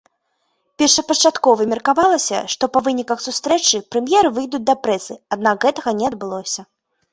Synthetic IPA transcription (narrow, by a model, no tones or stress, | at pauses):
pʲɛrʂɐpɐt͡ʂat̪kɔvɨmʲɛrkavalˠɐsʲɐ̰ʂt̪ɔpɐvɨnʲikɐxsust̪ɾɛt͡ʂɨpɾɛmʲjɛɾɨvɨjd̪ut͡sʲd̪ɐpɾɛsɨad̪nakɣɛt̪ɐɣɐnʲɛɐd̪̚bɨlˠɔsʲɐ